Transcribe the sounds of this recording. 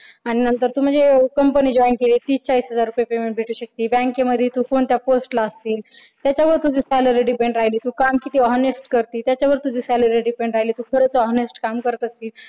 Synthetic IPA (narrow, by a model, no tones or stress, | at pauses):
aɽ̃inənt̪əɾt̪uːm̤əɳd͡zekəmpənid͡ʑɔinkeliːt̪iːt͡ɕaisɦəd͡zaɾːupjapemeɳʈ̚bʱeʈʰuːɕək̚t̪iːbɛ̃ŋkeməd̪ʱːjet̪uːkoɳt̪japosʈlaəst̪iːl | t̪jat͡ɕjaʋəɾt̪ud͡ʑʱiːsæləɾiɖipeɳɖɾaɦiliːt̪uːkamkit̪iːɔnesʈkəɾt̪iːt̪jat͡ɕjaʋəɾt̪ud͡ʑiːsæləɾiɖipẽɳɖɾaɦiliːt̪uːkʰəɾət͡səɔɦnesʈkamkəɾət̪əsiːl